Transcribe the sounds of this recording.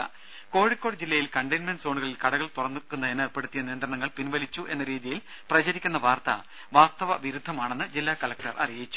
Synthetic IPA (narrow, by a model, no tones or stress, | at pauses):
ko̞ːɻikʲːoɽd͡ʑilːɐjilkɐɳɖɐjnmɐnɖso̞ːɳuɣɐɭilkɐɽɐɣɐɭt̪urɐnːukːunːɐenerpeɽut̪ːijɐnijːɐnd̪rɐɳɐŋːɐɭpinʋɐlit͡ɕːuʔe̞nːɐɾiːðijil | prɐt͡ɕɐɾikʲːunːɐʋaːrt̪ɐ̰ | ʋaːst̪ɐʋɐʋiɾud̪ʱːɐmaːɳe̞nːɨd͡ʑilːaːkɐlɐk̚ʈɐrʔɐ̰rijjit͡ɕːu̥